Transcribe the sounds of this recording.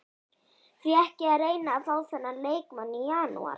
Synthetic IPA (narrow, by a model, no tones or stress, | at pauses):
θviɛhcɪaɾeːjnaːðθawsθɛnːaleːjkmanːɪjaːnṵa̰ɾ